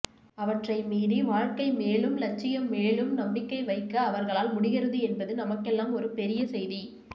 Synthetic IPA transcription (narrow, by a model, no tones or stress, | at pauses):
ɐʋɐʈrɐɪmiːɾiʋaːɻkɐɪmeːɭɯmlɐt͡ʃːɪjɐmːeːɭɯmnɐmbɪkːɐɪʋɐɪkːɐːʋɐɾɣɐɭaːlmʊɽɪɣɪɾɐðɯɛnbɐðɯnɐmɐkːɛlːaːmɔɾɯpɛɾɪjɐsɛjði